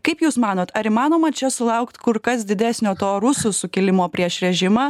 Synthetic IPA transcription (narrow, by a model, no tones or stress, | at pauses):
kɐɪpjuːsmɑːnoːt̪ɐɾɪmɑːnoːmɐt͡ʃʲɛsʊlˠɐʊkt̪kʊɾkɐs̬d̪ʲɪd̪ʲæːsʲnʲoːt̪oːɾʊsʊsʊkʲɪlʲɪmoːpʲɾʲiɛʃɾʲɛʒʲɪmɑː